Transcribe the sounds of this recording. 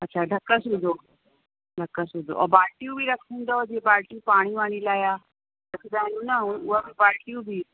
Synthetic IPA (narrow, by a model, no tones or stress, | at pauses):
ɐtːʃʰaɖʱɐkːəsud̪ʱo | ɖʱɐkːəsud̪o̰ʔɔ̰baːɾʈiũbʱiɾɐkʰũːnd̪aɔd͡ʒebaːɾʈiũpaːɽ̃ĩʋaɽ̃ilaːja | ɐt̪ʰidaːnũnaɦũuʋabibaːɾʈiũbʱiː